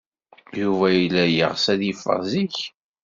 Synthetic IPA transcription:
juvæjilːæjə̰ʁsæðifə̰ziç

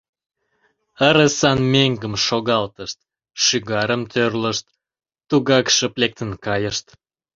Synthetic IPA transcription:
əɾəsɑnmeŋɡəmʃoɣɑlt̪əʃt̪ | ʃyɣɑɾəmt̪ʰørləʃt̪ː | uɣɑkʃəplek̚t̪ənkɑjəʃt̪

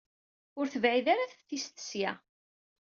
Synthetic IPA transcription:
ʊɾθəvʕiðaɾaθfθist̪ə̥sja

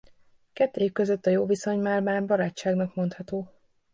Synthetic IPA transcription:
kɛt̪ːekkø̞zøt̪ːɒjoːviso̞ɲmaːrmaːrbɒɾaːt͡ʃːaːɡnɒkmo̞nt̪hɒt̪oː

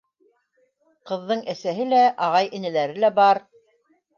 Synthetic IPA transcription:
qɤ̆ðːɤɴʔæsæɦɘlæʔɑʁɑjʔɘ̆nɘ̆læɾɘlæbɑɾ

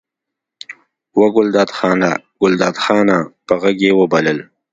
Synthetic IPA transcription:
waɡʊld̪ɑːd̪xɑːnaɡ̥ʊld̪ɑːd̪xɑːnapəɣaɡewəbaləl

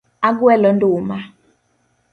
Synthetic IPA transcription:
ak̬uɛlɔnduːma

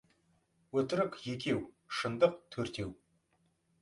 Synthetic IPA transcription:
wɵt̪ɪɾɪkʲje̞kʲe̞w | ʃənd̪əqt̪ʰɵɾt̪e̞w

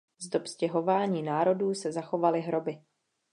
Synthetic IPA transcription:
zdo̞pscɛɦo̞vaːɲiːnaːɾo̞duːsɛzaxo̞valɪɦɾo̞bɪ

